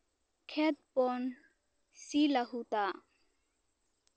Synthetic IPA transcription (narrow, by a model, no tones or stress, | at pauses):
kʰɛt̪̚pɔn | silaɦut̪a